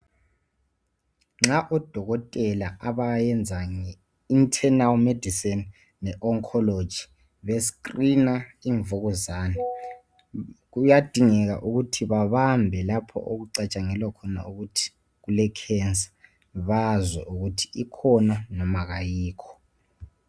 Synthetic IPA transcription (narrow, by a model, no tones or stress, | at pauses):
ŋ͡ǁaʔɔd̥ʱɔɣɔtʼɛlaʔaβajɛnd͡zʱaŋɛ | intʰɛnalmed̥ʱisɛnː | ɛʔɔŋkʰɔlo̥d͡ʒ̥ʱi̥ | βeskrinaiɱvoɣɔzaːnɛ | ɣujad̥ʱiŋɛɣ̬a̰ʔuɣutʰiβaβambʱɛlapʰɔ̰ʔoɣuǀat͡ʃʼaŋɛlwakʰɔna̰uɣutʰi̥ | ɣulɛkʰɛnsḁ | βazwɛʔuɣutʰi̥ikʰɔnanɔmaɣajiːkʰɔ̥